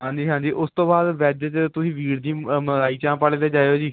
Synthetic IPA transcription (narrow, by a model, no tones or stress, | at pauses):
ɦãːɲd͡ʒiːɦãːɲd͡ʒiːʔʊst̪õːbaːd̪ʋɛːd͡ʒt͡ʃt̪ʊsĩːʋiːɽd̪iːməlaːiːt͡ʃãːpaːɽeːd̪eːd͡ʒaːeoːd͡ʒiː